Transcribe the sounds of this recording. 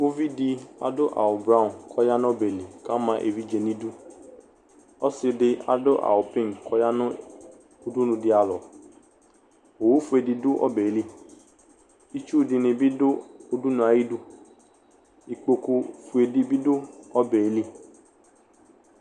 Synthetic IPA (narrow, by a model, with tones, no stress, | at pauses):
ɡo˦vi˦di˧a̰˨do˦ʔa̰˨o˨bɾã˦˨kʰɔ˦ja˦nɔ̃˦be˨li˨ka˦mã˧˦ʔe˧vi˦d͡ʒe˧nĩ˦du˦ | ɔ˦si˧de˧a̰˨do˦ʔa̰˨o˨pẽ˦˨n˨kɔ˦ja˦nũ˦ | o˧du˦nũ˧di˧a˨lɔ˨ | o˨wu˨˦fu˧˦e˧di˧du˦ʔɔ̰˦bɛ˨e˨˦li˦ | i˦t͡ʃu˦˨di˧nĩ˧bi˦do˦o˧du˦nũ˧˦a˨ji˦du˦ | i˧k͡po˧ku˧fu˧e˧di˧bi˦do˦ɔ˦bɛ˨e˨˦li˦